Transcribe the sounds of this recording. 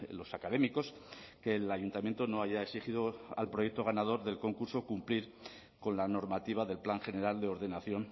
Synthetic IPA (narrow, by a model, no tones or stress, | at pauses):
lo̞sakaðemiko̞ske̞ːlaʝunt̪amje̞nt̪ono̞aʝae̞ksixiðoa̰lpɾoje̞k̚t̪o̞ɣ̞anað̞o̞ɾðe̞lko̞ŋkuɾso̞kumpliɾ | ko̞nlano̞ɾmat̪iβ̞aðe̞lplaŋxe̞ne̞ɾald̪e̞o̞ɾðe̞naθjo̞n